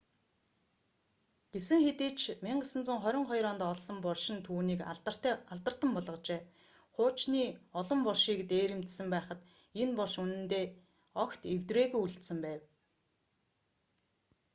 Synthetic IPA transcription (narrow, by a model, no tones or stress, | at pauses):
ɡ̥esɘ̆ŋxet̪eːt͡ɕʰmiɴɢə̆sə̆nt͡sŭŋχœɾʲɪ̆ɴχɔjɾɔːnt̪ɔɮsɞ̆mpɔɮʃɪ̆nt̪ʰuːniːkraɮt̪ə̆r̥t̪ə̆mpɔɮʁɞ̆t͡ɕeː | χʊːt͡ɕniːɔɮɞ̆mpɔɮʃiːkt̪eːɾĕmt̪sɘ̆mpæːχə̆t̪ | enpɔɮʃunɘ̆nt̪eː | ɔkt̪ewt̪reːɣujuɮt̪sɘ̆mpæːw